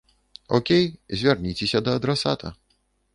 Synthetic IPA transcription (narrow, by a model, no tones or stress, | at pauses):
ɔkʲejzʲvʲarnʲit͡sʲesʲɐd̪ɐːd̪ɾasat̪ʰɐ̰